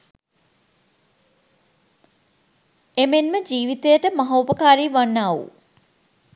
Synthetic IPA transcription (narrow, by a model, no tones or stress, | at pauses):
emenməd͡ʒiːʋit̪ejəʈəmaɦɐupəkaːɾiːʋanːaːṵ